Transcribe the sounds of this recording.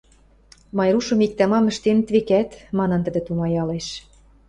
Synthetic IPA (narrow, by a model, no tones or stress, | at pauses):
mɑjɾuʃɤ̆mik̚t̪æmɑmə̆ʃt̪ent̪βekæt̪mɑnɤ̆nt̪ə̆d̪ɘ̆t̪umɑjɑleʃ